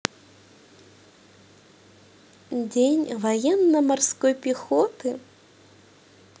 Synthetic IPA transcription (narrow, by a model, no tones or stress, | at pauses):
d͡zʲenʲvajɛnːɐmarskɔjpʲixɔt̪ɨ